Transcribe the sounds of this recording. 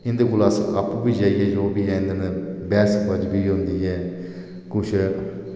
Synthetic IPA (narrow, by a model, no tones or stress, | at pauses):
ɪ̃nd̪əɡʊlaːsapbiːd͡ʒaːiɦɛːd͡ʒoːbiːɛ̃ɪ̃nd̪ənbɛːskəd͡ʒbiːɦʊ̃nd̪iːɦɛː | kʊt͡ʃʰ